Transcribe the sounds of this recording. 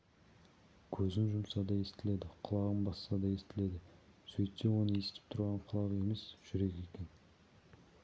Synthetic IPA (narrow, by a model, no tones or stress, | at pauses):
kʲʰɵzɪnʒʊmsɑd̪ɑje̞st̪ɪle̞d̪ɪqʰʊlˠɑʁəmbɑssɑd̪ɑje̞st̪ɪle̞d̪ɪ | sɵjt̪sewo̞nəe̞sɪ̥t̪ɪ̥p̚t̪ʰʊɾʁɑɴqʰʊlˠɑʁe̞me̞sʒ̥ʏɾe̞kʲe̞kʲe̞n